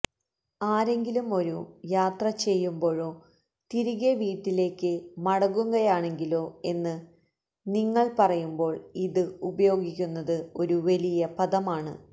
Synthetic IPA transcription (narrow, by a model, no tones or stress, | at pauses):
aːɾe̞ŋɡilumo̞ɾujaːt̪rɐt͡ɕe̞jːumbo̞ːɻo̞ː | t̪iɾiɣeʋiːʈːile̞ːkːɨmɐɽɐɣuŋɡɐjaːɳe̞ŋɡilo̞ːe̞nːɨ | niŋːɐɭpɐrɐjumbo̞ːɭiðɨubɐjo̞ːɡikʲːunːɐðɨo̞ɾuʋɐlijɐpɐðɐmaːɳɨ̰